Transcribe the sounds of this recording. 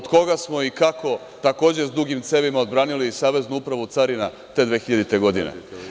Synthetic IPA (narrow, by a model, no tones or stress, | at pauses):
od̪ko̞ɡasmo̞ikako̞ | t̪ako̞ːd͡ʑe̞zd̪uɡimt̪se̞ʋimao̞d̪bɾaːnilisaːʋe̞znuupɾaʋut̪saɾina | t̪e̞d̪ʋeːxiʎad̪it̪e̞ɡo̞d̪inḛ